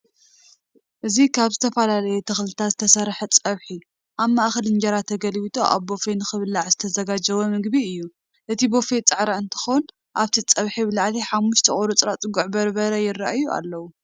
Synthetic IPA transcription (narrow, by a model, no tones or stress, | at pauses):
ʔɨzikʰaβzɨt̪ʰɐfɐlalɐjɛt̪ʰɨxlɨt̪ʰazɨt̪ʰɐsɐɾħɐt͡sʼɐβħi | ʔaβmaʔxɐlɨnd͡ʒɐɾat̪ʰːɐɡɐlwit̪ʰʼoʔa̰βbo̞fenɨxɨβɨlːaʕzɨt̪ʰɐzɐɡad͡ʒɐwomɨɡbiɨjːu | ʔɨt̪ʰibo̞fet͡sʼɨʕɾaɨnt̪ʰɨ̥xon | ʔaβt̪ʰit͡sʼɐβħibɨlaʕliħamːuʃt̪ʰiχʼoɾut͡sʼɾat͡sʼɨɡuʕbɐɾbɐɾɐjɪra̰ʔajuʔa̰lːɐwu